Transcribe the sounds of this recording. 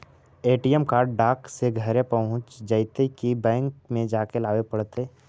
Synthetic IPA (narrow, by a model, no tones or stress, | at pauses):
eːʈijəmkaːɾɖɖaːkseɡʱəɾepəɦʊ̃t͡ʃd͡ʒəɪt̪ekibɛ̃ːŋkmẽd͡ʒaːkelaːʋepəɽt̪eː